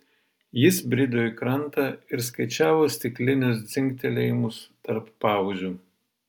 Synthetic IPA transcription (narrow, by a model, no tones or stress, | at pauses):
jɪsbʲɾʲɪd̪oːjkɾɐnˑt̪ɐɪɾskɐɪt͡ʃʲæːʋoːsʲt̪ʲɪklʲɪnʲʊs̬d̪zʲɪŋʲk̚ʲt̪ʲɛlʲɛjmʊst̪ɐɾpːɑːʋʊzʲu